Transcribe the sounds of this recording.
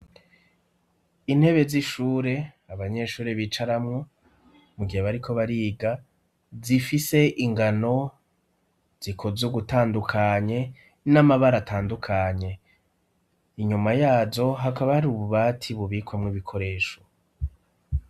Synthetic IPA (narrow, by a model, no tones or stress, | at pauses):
in̥he̞βe̞ziʃuːɾe̞ | aβaɲe̞ʃuːɾeβiːt͡ʃaɾamŋo̞ | muɡiheβaɾikʰo̞βaɾiːɡa | zifise̞ʔiŋɡano̞ | z̥ikʰozoɡutaːndukʰaɲe̞ | namaβaɾatʰaːndukʰaɲe̞ | iɲumajaːzo̞ɦakaβahaɾuβuβaːtʰiβuβikwamŋiβikʰo̞ɾe̞ːʃo̞